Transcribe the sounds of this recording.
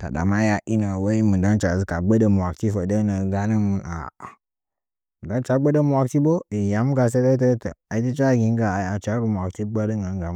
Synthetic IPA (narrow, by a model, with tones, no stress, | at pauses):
ta̰˨da̰˨ma˦ja˦ʔi˦na˨wa˦i˦mu˨da˦nt͡ʃa˨zi˦ka˨ɡ͡bə˦də˨m˨wa˨kti˦fə˨də˦nə˨ɡa˦nə˦mu˨a̰˨ | m˨da˦n˦t͡ʃa˦ɡ͡bə˦də˦m˦wa˨kti˦bo˦i˨ja˨m˦ɡa˨s̬e˦də˦tə˦tə˨a˨i˦ti˦t͡ʃa˦˨ɡi˦ŋ˦ɡa˨a˨t͡ʃa˦ɾə˨m˨a˨kti˦ɡ͡ba˦də˦ŋɡa˨ŋ˦ɡa˨˦